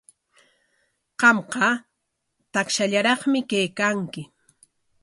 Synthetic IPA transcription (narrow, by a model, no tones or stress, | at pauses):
qɑmqɑ | t̪akʃaʎaɾɑχmɪkajkaŋkɪ